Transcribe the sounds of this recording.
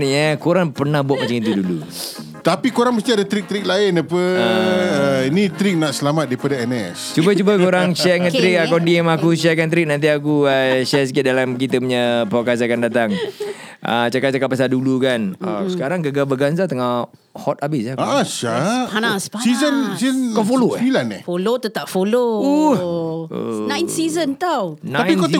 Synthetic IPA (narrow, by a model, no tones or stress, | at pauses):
ɲəkuɾaŋpərnahbuat̪̚mat͡ʃaŋit̪udulu | t̪apikuɾaŋməst̪iadat̪ɾik̚t̪əɾik̚laɪnapəa | init̪ɾik̚naʔsəlamat̪̚daipadaɛnɛst͡ʃubət͡ʃubəkuɾaŋsaɛŋanɾɪk̚akadiɛmakuʃ̬akant̪̬ɾɪk̚nant̪̬iakuəʃɛsikit̪̚dalamk̬it̪əmɲəpakazakandat̪aŋ | ʔə̰t͡ʃakat̪̚t͡ʃakat̪̚pːasaldulukanəsəkaɾaŋɡəɡabəɡanzat̪əŋa | hɔt̪̚abɪsaaaʃaaasasizənsizənkafoloilanɛ̰folot̪ət̪aʔfoloṵ | nãjnsizənt̪awnaãpiko